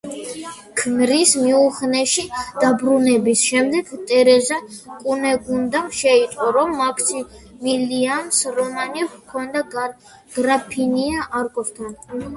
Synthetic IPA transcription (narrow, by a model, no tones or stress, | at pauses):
kʰnɾismiuχnɛʃid̪̥abɾunɛbisʃɛmd̪ɛɡ̥t̪ʼɛɾɛzakʼunɛɡund̪amʃɛit̪ʼqʼɔɾɔmːakʰsimiliamsɾɔmanikʰɔnd̪a | ɡ̥ɾapʰiniaʔaɾkʼɔft̪ʰan